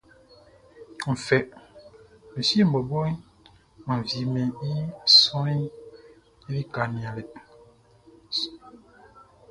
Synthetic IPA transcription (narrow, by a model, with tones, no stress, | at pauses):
ɱ̩˨fɛ˨ʔ | me˨si˦m̩˨bɔ˨bɔ˦i˦ | ma˨vi˨mɛ˨i˦˨sɔ˦i˦ | i˦li˦ka˨ni˨a˨lɛ˨